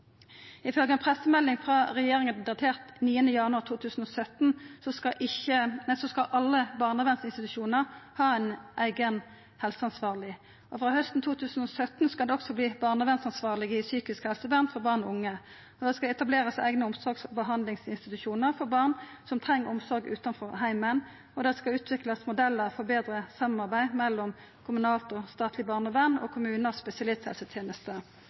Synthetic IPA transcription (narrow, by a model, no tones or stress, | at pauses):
ɪfœlɡəɛnpʰʁɛsːəmɛlːɪŋfʁɑːʁɛjeːʁɪŋənd̪ɑt̪ʰeːʁt̪niːənəjɑnʉɑʁt̪ʰuːt̪ʰʉːsn̩ɔsœt̪nsɔskɑʔɪçənɛsɔskɑʔɑlːəbɑʁnɑʋɛnsɪnst̪ɪt̪ʉʃuːnəʁhɑːæɪnʔæɪɡən | hɛlsəɑnsʋɑːʁlɪ | ɔfʁɑːhœst̪n̩t̪ʰuːt̪ʰʉːsn̩ɔsœt̪nskɑd̪ɛɔɡksɔbliːbɑːʁnɑʋɛnsɑnsʋɑːʁlɪɡəɪsyːkɪskhɛlsəbɑːʁnfɔʁbɑːʁnɔʊŋːə | ɔd̪ɛskɑlɛt̪ɑbleːʁəsæ̰ɪɡnəʊmsɔɾɡsbəɦɑnd̪lɪŋsɪnst̪ɪt̪ʉʃuːnəʁfɔɾbɑʁn | sɔmt̪ʰʁɛŋːəɾʊmsɔɾɡʉ̰ːt̪ɑnfɔɦæɪmən | ɔd̪ɛskɑʉːt̪ʰʋɪklɑsmʊd̪ɛlːəʁfɔʁbeːd̪ɾəsɑmɑʁbæɪmɛlːɔm | kʰʊmʉnɑːlt̪ɔst̪ɑːt̪ʰlɪbɑːʁnəʋɛnːɔ̰kʰʊmʉːnəʁspɛsɪɑlɪst̪hɛ̰lsət̪ʰjeːnəst̪ə